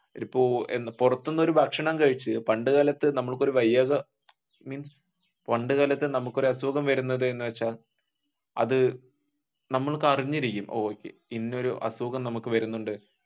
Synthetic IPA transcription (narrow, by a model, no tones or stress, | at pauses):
ipːoːenːpurɐt̪ːunːɐo̞ɾuʋaːkʂɐɳɐːmkɐɻit͡ɕːɨpɐɳɖɨɣɐlɐt̪ːɨnɐmːɐɭkːo̞ɾuʋɐjːɐɣɐ | miːns | pɐɳɖɨɣɐlɐt̪ːɨnɐmukːo̞ɾɐsuɣɐmʋɐɾunːɐðɨe̞nːɨʋet͡ɕːaːl | ɐ̰ðɨ | nɐmːɐɭkɨɐriɲːiɾikʲːumʔo̰ːoːkːḛinːo̞ɾuʔɐ̰suɣɐmnɐmukːɨʋɐɾunːuɳɖɨ